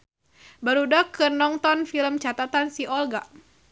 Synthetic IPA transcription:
baɾudakɨrnɔŋt̪ɔnfiləmt͡ʃat̪at̪ansiɔlɡa

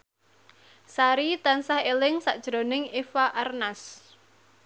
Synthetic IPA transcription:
saɾit̪ansahelɪŋsa̰ʔd̥ʒ̥ɾonɪŋefaʔarnas

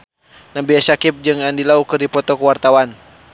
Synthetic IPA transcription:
nabiasakip̚d͡ʒɨŋandilaukɨrdipɔt̪ɔkuwart̪awan

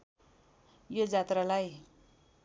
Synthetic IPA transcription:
jod͡zat̪ralaj

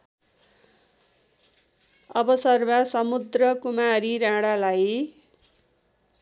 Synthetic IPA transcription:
ʌbʌsʌrmasʌmud̪rʌkumaɾiɾãɽalaj

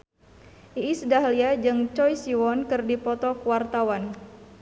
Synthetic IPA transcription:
ʔiːsədaɦliad͡ʒɨŋt͡ʃɔjsiwɔnkɨrdipɔt̪ɔkuwart̪awan

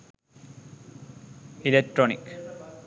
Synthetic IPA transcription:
ilek̚ʈɾonik

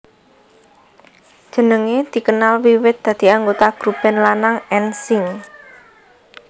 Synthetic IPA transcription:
d̥ʒ̥ə̤nəŋed̪̥i̤kənalwiwɪt̪̚d̪̥ä̤d̪̥i̤aŋɡot̪aɡ̥ɾub̥ɛ̤nlanaŋɛnsɪŋ

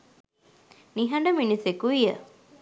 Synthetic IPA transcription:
niɦɐɳɖəminisekuijə̰

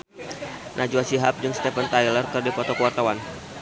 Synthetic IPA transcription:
nʔad͡ʒuasiɦap̚d͡ʒɨŋst̪ɛfənt̪ajlərkɨrdikɔt̪ɔkuwart̪awan

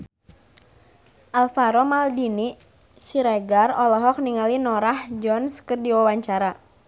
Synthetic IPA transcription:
ʔalfaɾɔmaldini | siɾɛɡarɔlɔɦɔk̚niŋalinɔɾahd͡ʒɔnskɨrdiwawaɲt͡ʃaɾa

